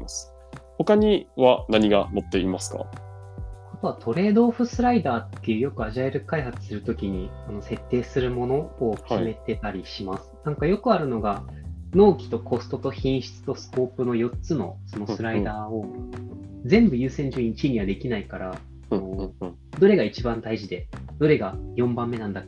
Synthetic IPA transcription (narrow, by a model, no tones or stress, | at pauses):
asɨ̥ | ho̞kaɲ̟iβanaɲ̟iɡa̰mot̪ːe̞imasɨ̥ka̰ | at̪o̞βat̪ʰo̞ɾe̞ːd̪o̞ːɸɯ̟sɨɾaid̪aːt̪ːe̞jɯ̟ːjo̞kɯ̟aʑaeɾɯ̟kaihat͡sɨ̥sɨɾɯ̟t̪o̞kʲiɲ̟ikano̞se̞t̪ːe̞ːsɨɾɯ̟mo̞no̞ːkʲʰime̞t̪e̞t̪aɾʲiɕimasɨ̥nãŋkajo̞kɯ̟aɾɯ̟no̞ɡano̞ːkʲi̥t̪o̞ko̞st̪o̞t̪o̞çĩɰ̃ɕi̥t͡sɨ̥t̪o̞sɨ̥ko̞ːpɯ̟no̞jo̞t͡sɨno̞̰so̞no̞sɨɾaid̪aːo̞ | d͡zẽ̞mbɯ̟jɯ̟ːsẽ̞ɲ̟d͡ʑoĩɲt͡ɕiɲ̟iβad̪e̞kʲinaikaɾa | no̞ | d̪o̞ɾe̞ɡait͡ɕibãnd̪aiʑid̪e̞d̪̥o̞ɾe̞ɡajõ̞mbãmːe̞nãnd̪a